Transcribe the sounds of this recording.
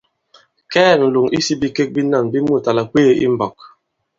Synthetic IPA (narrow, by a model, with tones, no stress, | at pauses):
kɛ˦˨n̩˨lu˨ŋḭ˦si˦bi˦ke˦k̚bi˦na˦˨nbi˦mu˦˨ta˨la˨k͡pe˦˨ḭ˦m̩˦˨bɔ˨k̚